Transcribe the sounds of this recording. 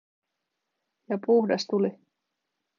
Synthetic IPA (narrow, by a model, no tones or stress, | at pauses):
jɑpuhdɑst̪uli